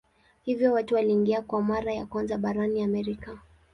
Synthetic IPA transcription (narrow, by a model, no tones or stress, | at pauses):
hivjɔwatuwaliːŋɡiakwamaɾajakwanzaɓaɾaniamɛɾika